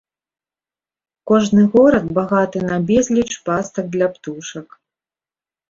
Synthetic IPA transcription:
kɔʐnɨɣɔɾɐd̪̚baɣat̪ɨnabʲɛzʲlʲit͡ʂpast̪ɐɡ̚d̪lʲapt̪uʂɐk

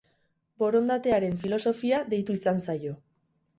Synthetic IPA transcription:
bo̞ɾo̞nd̪at̪e̞aɾe̞ɱfilo̞so̞fiaðe̞jt̪uisant͡sajo̞

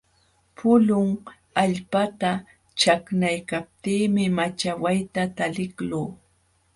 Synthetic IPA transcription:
pʰʊlʊŋ | aʎpat̪a | t͡ʃaknajkap̚t̪iːmɪmat͡ʃawajt̪at̪alɪkluː

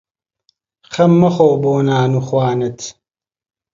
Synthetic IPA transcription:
χɐmːɐχowboːnaːnuχwaːnɨt̪ʰ

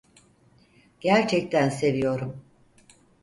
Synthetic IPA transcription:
ɟ̥æɾt͡ʃʰɛc̚t̪ʰænse̞vijo̞ɾum

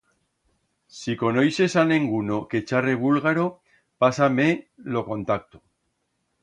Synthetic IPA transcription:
siko̞nojse̞sanẽŋɡunoke̞t͡ʃareβ̞ulɣaɾo̞ | pasamelo̞ko̞nt̪ak̚t̪o̥

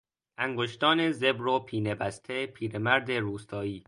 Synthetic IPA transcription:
ʔæŋɡoʃt̪ɒːnezebɾopʰiːnebæst̪ʰepʰiːɾemæɾd̪eɾuːst̪ʰɒːiː

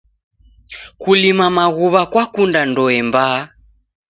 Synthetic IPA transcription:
kulimamaɣuβakwakundandɔɛmba

